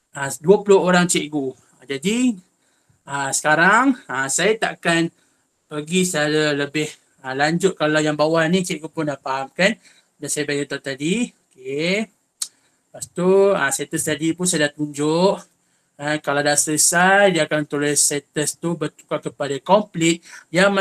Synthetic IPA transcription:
aduəpulʊɦoɾaŋt͡ʃiʔɡu | ad͡ʒadi | əsə̥kaɾaŋasajat̪aʔkan | pəɡisalələbɪh | əlaɲd͡ʒʊt̪̚kalawjaŋbawahnĩt͡ʃiʔɡupʊndapaɦamkan | dansajabajkət̪at̪adioke | past̪ua̰saet̪əst̪adipʊns̬ajadat̪uɲd͡ʒʊʔ | akalawdasəsajdiakant̪ulɛssat̪əst̪ubət̪u̥kakəpadakɔmplɪt̪̚jaŋm

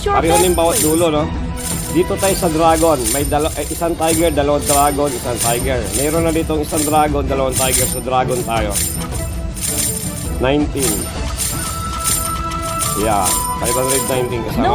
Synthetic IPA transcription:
pɐɾɛhonjʊmbaːwɐt̪̚d̪uːlo̞no | d̪iːt̪o̞t̪aːjosɐd̪ɾaːɡo̞nmɐjd̪ɐlʔʔɪsant̪ajɡɛɹd̪ɐlɐwand̪ɾaːɡo̞nɪsant̪ajɡɛɹmɛːɾonːɐd̪iːt̪oŋɪsaŋd̪ɾaːɡond̪ɐlɐwant̪ajɡɛɹsod̪ɾaːɡont̪aːjo | najnt̪ɪn | ja̰fajbhãnd̪ɾɛd̪̚najnt̪ɪnkɐsaːm

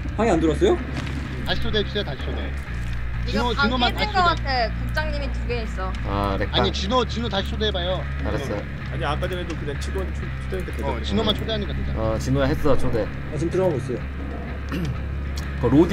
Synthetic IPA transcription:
ɸaɡiandɯɾʌs͈ʌjo | taɕʰi̥t͡ɕʰoded͡ʑus͈ejotaɕʰi̥t͡ɕʰode | t͡ɕioinomantʰɕi̥ɡoʌkatʰekuk̚t͡ɕ͈aŋɲimituɡees͈ʌ | adekaaɲit͡ɕinot͡ɕinotaɕʰi̥t͡ɕʰodebajo | aɾas͈ʌjo | aɲiak͈adɯmedokɯd̪et͡ɕʰinoɲit͡ɕʰot͡ɕʰodend̪ekʰɯt͡ɕinomant͡ɕʰodeaɲik͈at͡ɕent͡ɕ͈a̰ʌt͡ɕinoaɦes͈ʌt͡ɕʰode | ʌt͡ɕimtɯɾʌaɡos͈ʌjo | kʌɾod

